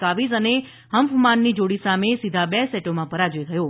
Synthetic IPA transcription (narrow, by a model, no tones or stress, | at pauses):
aʋizəne | ɦəmpʰmanːid͡ʒoɽisamesid̪ʱabɛsɛʈomãpəɾad͡ʒʋeɡʱəjo